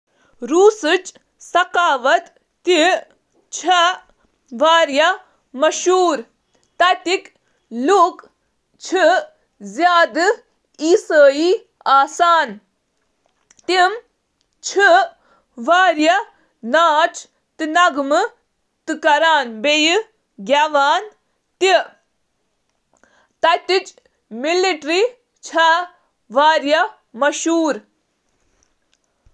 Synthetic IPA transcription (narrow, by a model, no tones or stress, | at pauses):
ɾuːsɨt͡ʃ | sɐkaːʋɐt̪ː | i | t͡ʃʰɐ | ʋaːɾjɐ | mɐʃuːɾ | t̪ɐt̪ik | luk | t͡ʃʰɨ | zjaːd̪ɨ | iːsəːjiː | aːsaːn | t̪im | t͡ʃʰɨ | ʋaːɾjɐ | naːt͡ʃʰ | t̪inɐɡmɨ | t̪ɨkɐɾaːnbej | ɡʲaʋaːn | t̪i | t̪ɐt̪it͡ʃ | miliʈɾi | t͡ʃʰɐ | ʋaːɾjɐ | mɐʃuːɾ